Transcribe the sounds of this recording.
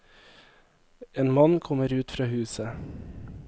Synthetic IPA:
eːnmɑnːkʰɔmːəɾʉːt̪fɾɑːhʉːsə

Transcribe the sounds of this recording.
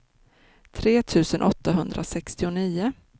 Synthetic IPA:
t̪ʰɾeːt̪ʰʉ̟ːsənʔɔt̪ʰːaɦɵnd̪ɾʔa̰sɛkst̪ɪʊniːʊ

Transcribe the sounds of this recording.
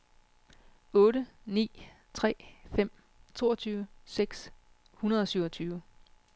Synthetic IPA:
ɔ̽ːɾənḭː | t͡sʰʁɛ̰ːfem̰ | t͡sʰo̝̰ːɐt͡sʰyːʊəseɡ̥s | hunɐðˠɒ̽syʊɒt͡sʰyːʊə

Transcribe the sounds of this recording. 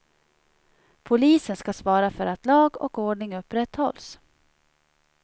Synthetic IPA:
pʰʊliːsənskasvɑːɾafœɾat̪lɑːɡɔ̰koːɖɳɪŋɵpːɾɛt̪ːhɔls

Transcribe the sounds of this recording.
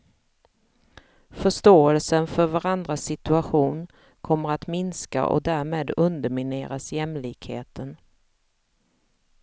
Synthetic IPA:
fœʂʈoːɛlsənfœɾvaɾand̪ɾasɪt̪ɵaɧuːn | kʰɔmːəɾat̪mɪnska̰ʔɔ̰d̪æːɾmeːd̪ɵnd̪əɾmɪneːɾasjɛmlɪːkhḛːt̪ʰən

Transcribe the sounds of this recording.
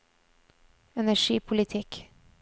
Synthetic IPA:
ɛnæʂiːpʰʊlɪt̪ʰɪk

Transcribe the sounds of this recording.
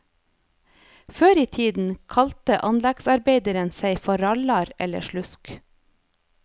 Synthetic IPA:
føːɾiːt̪ʰiːd̪n̩kʰɑlt̪əʔɑnlæɡsɑɾbeɪd̪əɾənseɪfɔɾɑlɑɾɛ̰lə̰ʃlʉsk

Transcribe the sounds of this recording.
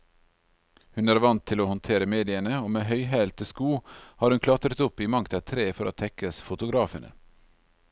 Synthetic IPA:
hʉnæːɾʋɑnt̪ʰːɪloːhɔnt̪ʰeːɾəmeːd̪ɪənəoːmeːɦœʏɦæːlt̪ʰəskuːhɑːɾhʉnkʰlɑt̪ɾət̪ʊpiːmɑŋt̪ʰɑt̪ʰɾeːfɔɾoːt̪ʰɛkəsfʊt̪ʊɡɾɑːfənʔə̰

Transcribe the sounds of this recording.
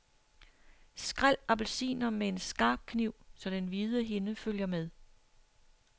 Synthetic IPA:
sɡ̥ʁal̰æb̥lsḭːnɐmee̝nsɡ̥ɑ̈ːb̥̚kʰniʊ̰sɒ̽d̥enʋiːð̞ˠəɦe̝nəføl̰jɐmeðˠ

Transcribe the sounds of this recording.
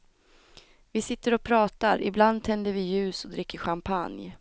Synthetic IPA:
vɪsɪt̪ːəɾɔpʰɾɑːt̪aɾɪ̰bland̪̚t̪ʰɛnd̪əɾvɪjʉ̟ːsɔd̪ɾɪkːəɧampʰa̰nj

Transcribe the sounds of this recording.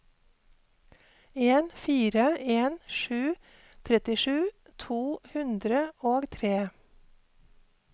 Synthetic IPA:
eːnfiːɾəeːnʃʉː | t̪ʰɾɛt̪ɪʃʉː | t̪ʰuːhʉnd̪ɾəoːɡt̪ʰɾeː

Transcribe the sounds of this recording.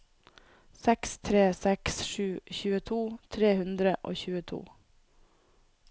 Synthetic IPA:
sɛkst̪ʰɾeːsɛksʃʉːçʉːət̪ʰuːt̪ʰɾeːhʉnd̪ɾəʔo̰ːçʉːət̪ʰṵː

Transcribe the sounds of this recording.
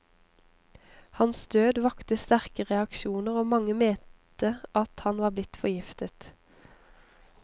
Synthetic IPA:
hɑnsd̪øːd̪ʋɑkt̪əst̪æʁkəʁɛɑkʃuːnəʁoːmɑŋəmeːt̪t̪əʔɑt̪hɑnʋɑːblɪt̪fɔjɪft̪ət̪

